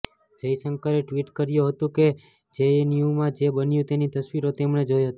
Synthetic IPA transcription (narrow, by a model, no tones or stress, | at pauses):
d͡ʒəjsəŋkəɾeʈʋiʈkəɾjuɦət̪ũke | d͡ʒenjumãd͡ʒebənjũt̪enit̪əsʋiɾot̪emɳed͡ʒojɦət̪